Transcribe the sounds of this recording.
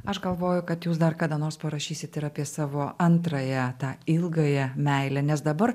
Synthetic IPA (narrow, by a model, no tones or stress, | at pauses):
ɐʃɡɐlˠʋoːjʊkɐt̪juːs̬d̪ɐɾkɑːd̪ɐnoːrspɐɾɐʃʲiːsʲɪt̪ʲɪɾɑːpʲiɛsɑːʋoːɐnt̪ɾɐjɛt̪ɑːɪlˠɡɐjɛmʲɛɪlʲɛnʲɛsd̪ɐbɐɾ